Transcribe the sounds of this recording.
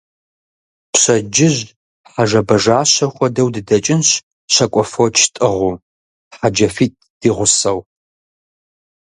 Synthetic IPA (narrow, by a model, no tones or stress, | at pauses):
pɕɐd͡ʒɪʑ | ħaʒɐbɐʒaːɕɐxʷɔdɐwdɨdɐt͡ʃʼɪnɕ | ɕɐkʷʼɔfot͡ʃʰtʼɨʁuː | ħad͡ʒɐfiːt̚ʼd̥iːʁʷʊsɐw